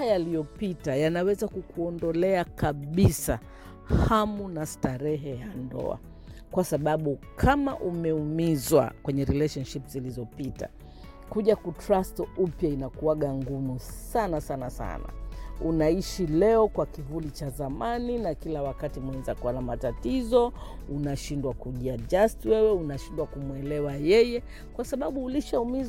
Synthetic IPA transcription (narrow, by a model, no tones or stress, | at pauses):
jalijɔpitajanawɛzakukuɔndɔlɛakaɓisa | hamunastaɾɛɦɛjandɔ̰a̰ | kwasaɓaɓukʰamaʔumɛumizwa̰kwɛɲɛɾilɛʃɔnʃipzilizɔpita̰ | kuʄakutɾastupjainakuaɠaŋɡumusanasanasa̰na̰unaiʃilɛɔkwakivulit͡ʃazamaninakilawakatimwɛnzakuwanamatatizɔ | unaʃindwakuʄiad͡ʒastwɛwɛunaʃindwakumwɛlɛwajɛjɛ | kwasaɓaɓuːliʃaumiz